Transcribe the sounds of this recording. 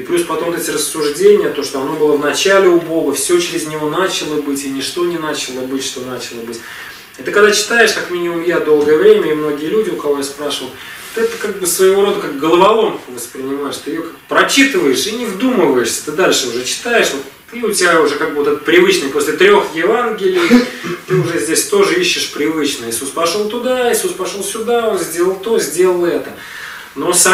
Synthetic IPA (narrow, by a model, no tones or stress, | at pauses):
iplʲuspɐt̪o̞mvot̪ɛtʲɪrəsːʊʐdʲenʲɪjət̪o̞ʂt̪oɐno̞bɨlˠəvnɐt͡ɕalʲɪʊbo̞ɡəfsʲot͡ɕɪɾʲɪzʲnʲɪvo̞nat͡ɕɪlˠəbɨtʲɪnʲɪʂt̪o̞nʲɪnat͡ɕɪlˠəbɨtʲʂt̪o̞nat͡ɕɪlˠəbɨtʲ | at̪ɨkɐɡd̪at͡ɕɪ̥t̪ajɪʂkakmʲinʲɪmʊmjad̪o̞lˠɡəjəvɾʲemʲəɪmno̞ɡʲɪjəlʲudʲɪʊkɐvo̞jaspɾaʂɨvəlˠ | t̪ɨɛt̪əkaɡ̚bɨsvəjɪvo̞ɾo̞d̪əkakɡəlˠəbɐlˠo̞mvəspɾʲɪnʲɪmajɪʂt̪ɨjɪjokaɡbpɾɐt͡ɕit̪ɨvəjɪʂinʲɪvd̪uməvəjɪʂsʲə̥t̪ɨd̪alʲʂəʊʐɛt͡ɕɪ̥t̪aɪʂvot̪ | t̪ɨʊtʲɪbʲaʊʐɛkaɡ̚bɨvo̞t̪ɛt̪ə̥pɾʲɪvɨt͡ɕnəjpo̞sʲlʲɪt̪ɾʲo̞xjɪvanɡʲɪlʲɪjt̪ɨʊʐɛzʲdʲesʲt̪o̞ʐɨiɕːɪʂpɾʲɪvɨt͡ɕnəisʲuspɐʂolˠt̪ʊd̪aɪsʲuspɐʂolˠsʲʊd̪aonzʲdʲe̞lˠəlˠt̪ozʲdʲe̞lˠəlˠɛt̪ə | nosa